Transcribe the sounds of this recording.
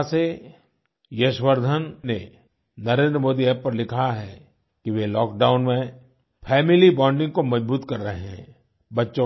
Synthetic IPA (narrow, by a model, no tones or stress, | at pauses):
se | jeʃwəɾd̪ʱənːe | nɐɾẽːnd̪ɾəmoːd̪ieːppɐɾlɪkʰaɦɛ | kiʋelɔːkɖaːʊnmẽ | pʰɛːmɪlibɔ̃ːɳɖɪ̃ŋɡkomɐd͡ʒbuːt̪kɐɾːɐɦeɦɛ̰̃ | bɐtːʃõ